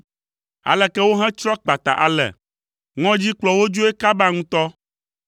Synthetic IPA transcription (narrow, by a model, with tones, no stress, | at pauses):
a̰˨lɛ˨kɛ˦wo˦ɦɛ̃˦t͡ʃɾɔ˦k͡pa˨t̪a̰˨ʔa̰˨lɛ̰˨ | ŋɔ̃˦d͡ʑi˦k͡plɔ˨wo˦d͡ʒo˦e˦ka˦ba˦ŋũ˦t̪ɔ˦